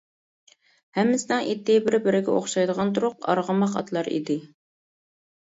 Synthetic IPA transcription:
hɛmːɪsɪnɨŋʔit̪ːɪbɪɾɪbɪɾɪɡʲɛoχʃɑjd̪əʁɑnt̪uɾʊqɑ̰ɾʁəmɑqɑ̰t̪ʰlˠɑɾḭd̪ɪ

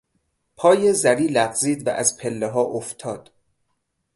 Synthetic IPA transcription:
pʰɒːjezæɾiːlæɢziːd̪væ̰ʔæzpʰelːeɦɒːʔoft̪ʰɒːd̪̥

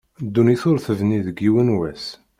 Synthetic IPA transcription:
d̪ːuniθoɾθəvniðəɡiwənwæs

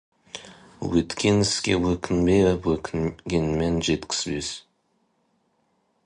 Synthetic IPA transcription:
wɵt̪kʲenɪskʲḛwɵkʲʰɪnbewɵkʲʰɪnɡʲenmenʒet̪kʲʰɪ̥sbes

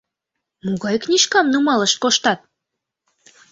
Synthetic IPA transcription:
muɣɑjknʲiʃkɑmnumɑləʃ̚koʃt̪ɑt̪̚

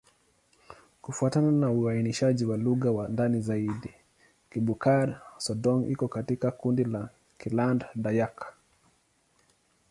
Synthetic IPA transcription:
kufuatananauainiʃaʄiwaluɣawandanizaiɗi | kiɓukaɾsɔdɔŋʔḭkɔkatikakundila | kilandɗajak

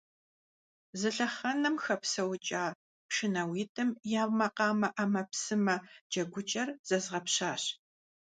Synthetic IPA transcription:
zɨɬɐχɐnɐmxɐpsɐwt͡ʃʼaː | pʂɪnɐwiːtʰɨmjaːwmɐqɑːmɐʔɐmɐpsɨmɐd͡ʒɐɡʷʊt͡ʃʼɐrz̥ɐzʁɐpɕaːɕ

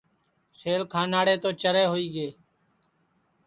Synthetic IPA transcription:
seːlkʰãːnaːɽeːt̪oːt͡ʃəɾeːɦoːiːɡeː

